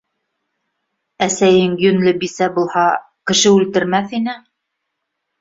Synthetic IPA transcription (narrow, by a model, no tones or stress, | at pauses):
æsæjɘŋjɵ̆nlɘbisæbulˠhɑ | kɘ̆ʃɘʉlt̪ɘ̆ɾmæθinɘ